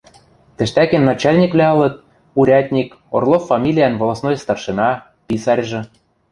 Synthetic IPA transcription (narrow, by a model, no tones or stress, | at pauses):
t̪ɘ̆ʃt̪ækĕnːɑt͡ɕɑlʲnʲikvlʲæɤ̆lɤ̆t̪̚ | uɾʲɑt̪ʲnʲik | o̰rlˠofːɑmʲilʲijænvŏlˠɑsnojst̪ɑrʃɤ̆nɑ | pisɑrʲʒɤ̆